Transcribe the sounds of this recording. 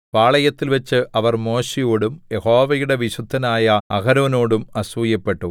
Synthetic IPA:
paːɭɐjɐt̪ːilʋɐt͡ɕːɨʔɐʋɐrmo̞ːɕijoːɽumje̞ho̞ːʋɐjuɽe̞ʋiɕud̪ʱːɐnaːjɐɐɣɐɾoːno̞ːɽumɐsujɐpːe̞ʈːu

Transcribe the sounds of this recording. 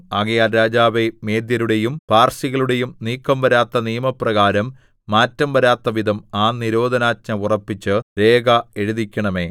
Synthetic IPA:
aɣɐjaːlɾaːd͡ʑaːʋe̞me̞ːd̪jɐɾuɽe̞jumpaːrsiɣɐɭuɽe̞jumniːkːɐmʋɐɾaːt̪ːɐnijɐmɐprɐɣaːɾɐmː | aːtːɐmʋɐɾaːt̪ːɐʋid̪ʱɐmaːniɾo̞ːd̪ʱɐnaːtɲɐurɐpːit͡ɕːɨɾe̞ːɡɐe̞ɻuðikʲːɐɳɐme̞ː

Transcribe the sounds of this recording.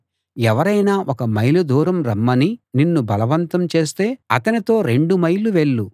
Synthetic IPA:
ɛʋɐɾɐjnaːʔɔkɐmɐjlud̪ʱuːɾɐmɾɐmːɐnininːubʱɐlɐʋɐnt̪ɐmt͡ʃe̞ːst̪e̞ːɐt̪ɐnit̪o̞ːɾe̞ɳɖumɐjluʋe̞ɭːu

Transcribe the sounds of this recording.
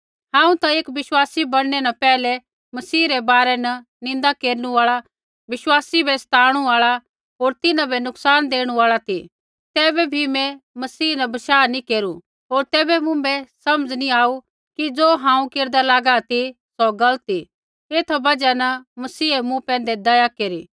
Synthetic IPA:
hãːũt̪ãeːkʋɪʃwaːsibɐɽnɛnɐpɛːlɛ | mɐsiːɾɛbaːɾɛnɐ | nɪ̃nd̪akeːɾnũaːɭa | ʋɪʃwaːsibɛst̪ʰaːɽ̃uaːɭa | ɦoːɾt̪ɪnãbɛnʊksaːnd̪eːɽ̃ũaːɭat̪i | t̪ɛːbɛbʱimɛ̃mɐsiːnɐbɐʃaːnikeːɾu | ɦoːɾt̪ɛːbɛmʊ̃bɛsɐməd͡zniaːu | kid͡zoːɦãːũkeːɾd̪alaːɡat̪i | sɔɡɐlət̪i | eːt̪ʰbɐd͡ʒanɐmɐsiːemũpɛ̃ːnd̪ɛd̪ɐjakeːɾiː

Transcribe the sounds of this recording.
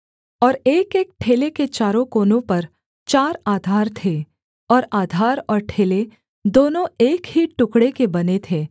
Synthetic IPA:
ɔːɾeːkeːk̚ʈʰeːleket͡ʃaːɾõkoːnõpɐɾ | t͡ʃaːɾaːd̪ʱaːɾt̪ʰe | ɔːɾaːd̪ʱaːɾɔːɾʈʰeːle | d̪oːnõeːkɦiʈʊkɽekebɐnet̪ʰeː

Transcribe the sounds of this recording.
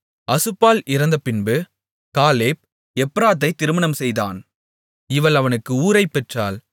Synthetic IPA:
ɐsɯpːaːlɪɾɐnd̪ɐpɪnbɯ | kaːleːp̚ | ɛpːɾaːt̪̬ːɐɪt̪ːɪɾɯmɐɳɐmsɛjða̰ːn | ɪʋɐlɐʋɐnɯkːɯuːɾɐɪpːɛʈraːl

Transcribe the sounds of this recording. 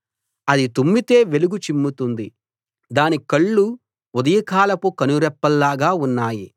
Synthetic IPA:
ɐd̪it̪umːit̪e̞ːʋe̞luɡut͡ʃimːut̪und̪i | d̪aːnikɐɭːu | ud̪ɐjɐkaːlɐpukɐnuɾɛpːɐlːaːɡaːunːaːji

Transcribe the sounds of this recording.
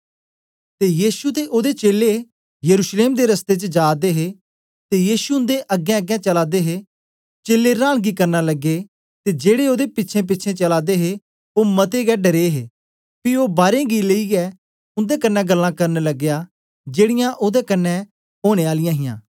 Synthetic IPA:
t̪ejiːsut̪eʔoːd̪et͡ʃeːle | jɐɾuːʃleːmd̪eɾɐst̪et͡ʃəd͡ʒaːd̪eɦe | t̪ejiːsuʊ̃nd̪eʔɐɡːɛ̃əɡɛ̃t͡ʃɐlaːd̪eɦe | t͡ʃeːlːeɾãːɽ̃ɡikɐɾnalɐɡːe | t̪ed͡ʒeːɽeoːd̪epɪtːt͡ʃʰẽp̬ɪtːt͡ʃʰẽt͡ʃɐlaːd̪eɦe | oːmɐt̪eɡɛːɖəɾeɦeː | pioːbaːɾẽɡileiɡɛ | ʊ̃nd̪ekɐnːɛɡəlːãkɐɾnlɐɡːja | d͡ʒeːɽɪjãʔoːd̪ekɐnːɛ | ɦoːɽ̃eːaːlɪjãːɦɪjã̰ː

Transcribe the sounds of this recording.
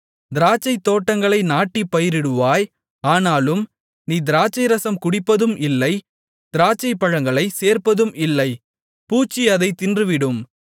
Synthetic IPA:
d̪ɪɾaːt͡ʃːɐɪt̪ːoːʈːɐŋɡɐɭɐɪnaːʈːipːɐjɪɾɪɽɯʋaːj | aːnaːlɯm | niːd̪ɪɾaːt͡ʃːɐɪɾɐsɐmkʊɽɪpːɐðɯmɪlːɐɪ | d̪̥ɪɾaːt͡ʃːɐɪpːɐɻɐŋɡɐɭɐɪseːɾpɐðɯmɪlːɐɪ | puːt͡ʃːiɐðɐɪt̪ɪndrɯʋɪɽɯm

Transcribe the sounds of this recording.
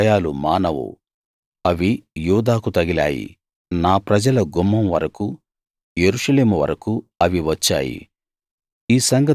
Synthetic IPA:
jaːlumaːnɐʋṵ | ɐʋijuːd̪aːkut̪ɐɡila̰ːjḭ | naːpɾɐd͡ʒɐlɐɡumːɐmʋɐɾɐku | jeɾuʂɐle̞ːmuʋɐ̰ɾɐkuɐʋiʋɐt͡ʃːa̰ːjḭ | iːsɐŋɡɐ

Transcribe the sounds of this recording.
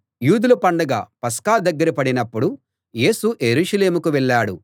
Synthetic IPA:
juːd̪ulupɐɳɖɐɡa̰ːpɐskaːd̪ɐɡːɐɾipɐɽinɐpːuɽu | je̞ːsuʔeɾuːʂɐle̞ːmukuʋɛɭːaːɽu

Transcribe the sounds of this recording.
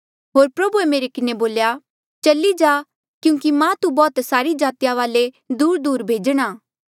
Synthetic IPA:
ɦoːɾpɾɐbuemeːɾekɪneboːlja | t͡ʃɐlid͡ʒaː | kjũːkimãt̪ubɔːt̪saːɾid͡ʒaːt̪jaʋaːle | d̪uːɾd̪uːɾbʱeːd͡ʒɽ̃aː

